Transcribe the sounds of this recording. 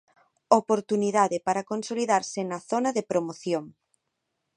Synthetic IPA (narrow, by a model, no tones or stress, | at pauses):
opoɾt̪uniðaðɪpaɾakonsoliðaɾsɪnɐθonɐðepɾomoθjoŋ